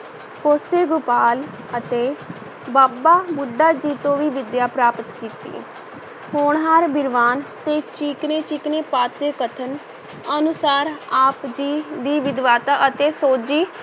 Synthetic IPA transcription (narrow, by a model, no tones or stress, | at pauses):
koːseːɡʊpaːl | ət̪eː | baːbaːbʊɖːaːd͡ʒiːt̪õːʋiːʋɪd̪jaːpɾaːpət̪kiːt̪ḭː | hoːɳɦaɾbɪɾʋaːnt̪eːt͡ʃiːkneːt͡ʃiːkneːpaːt̪eːkət̪ʰən | ənʊsaːɾaːpd͡ʒiːd̪iːʋɪd̪ʋaːt̪aːʔət̪eːsoːd͡ʒiː